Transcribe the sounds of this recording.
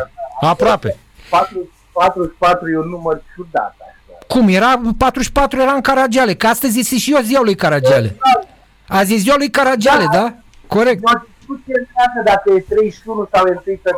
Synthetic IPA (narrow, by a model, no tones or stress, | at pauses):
apɾoape̞̰ | pat̪ɾu | pat̪ɾuʃpat̪ɾujeunːumərt͡ʃud̪a̰t̪aʃakumjeɾapat̪ɾuʃpat̪ɾuje̞ɾaɨŋkaɾad͡ʒiale̞kəast̪əzʲjest̪eʃioziwalujkaɾad͡ʒiale̞̰a | azisziwalujkaɾad͡ʒaled̪a | ko̞ɾek̪̚od̪iskut̪sijemaɡəd̪akəjet̪ɾejʃunusawent̪ɨjsə